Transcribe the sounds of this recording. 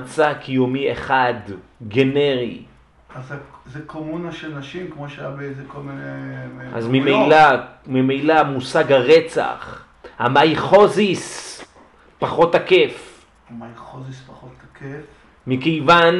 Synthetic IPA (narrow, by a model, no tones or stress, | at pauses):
t͡sakʰijomiḛχad̪ɡe̞neʁḭ | azazekʰomunaʃelnaʃimkmoʃeajabeezeko̞lminea̰zmimejlamimejlamusaɡhaʁet͡sa̰χ | hamajχo̞zis | paχo̞tːakef | amajχozispaχotʰːakʰef | mikejvan